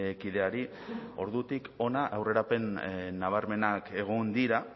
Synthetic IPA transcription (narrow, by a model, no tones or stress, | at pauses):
kiðe̞aɾi | o̞ɾðut̪iko̞naʔawre̞ɾape̞nːaβ̞aɾme̞nake̞ɣ̞ond̪iɾa